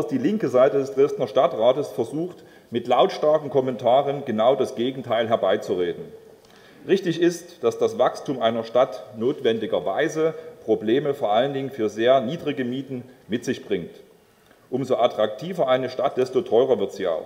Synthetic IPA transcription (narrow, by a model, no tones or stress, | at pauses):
asd̥iːlɪŋkəzaɪtədɛsd̥ʁɛstnɐʃtatʁaːtəsfɛɐzuːxt | mɪtlaʊtʃtaɐkŋ̩kʰɔmɛntʰaːʁənɡənaʊdasɡ̥eːɡŋ̩tʰaɪlɦɛɐbaɪt͡suʁeːdn̩ | ʁɪçtɪçɪstd̥asd̥asv̥akstuːmʔaɪnɐʃtatnoːtv̥ɛndɪɡɐvaɪzəpʁ̥obleːməfoːɐʔaləndɪŋənfyːɐzeːɐniːdʁɪɡəmiːtn̩mɪtz̥ɪçb̥ʁɪŋt | ʔʊmzoʔatʁ̥ak̚tʰiːvɐʔaɪnəʃtat̚d̥ɛstotʰɔʏʁɐvɪɐtz̥iːa̰ʊx